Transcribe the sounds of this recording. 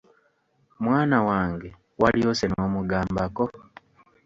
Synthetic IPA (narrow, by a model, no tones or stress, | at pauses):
mwaːnawaːŋɡe̞ | waliosenoːmuɡaːmbako